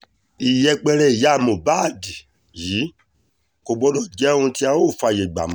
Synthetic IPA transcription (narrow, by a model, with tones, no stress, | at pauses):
i˨jɛ˧k͡pɛ˧ɾɛ˧i˨ja˨˦˨mõ˨ba˦˨di˨ | jiː˨˦ | ko˨ɡ͡bɔ˧˦dɔ˦˨d͡ʒɛ˨˦ũ˧ti˧˦a˧˦o˦˨fa˧˨je˨ɡ͡ba̰˨mɔ̃˨